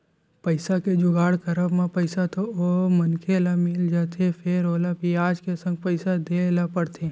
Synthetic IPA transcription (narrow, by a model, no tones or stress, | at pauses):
pəɪsaked͡ʒʊɡaːɽkəɾəbmãpəɪsat̪oomənkʰelamɪld͡ʒaːt̪ʰefʰeɾoːlapiaːd͡ʒkesə̃ŋɡ̚pəɪsad̪elapəɽt̪ʰe